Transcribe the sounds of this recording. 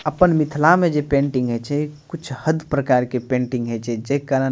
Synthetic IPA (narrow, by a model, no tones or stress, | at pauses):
əpənmɪt̪ʰlamed͡ʒepẽɳʈĩŋɡɦɛt͡ʃʰɛkut͡ʃʰhəd̪pɾəkaːɾkepẽːɳʈĩŋɡɦɛt͡ʃʰɛd͡ʒɛkaːɾə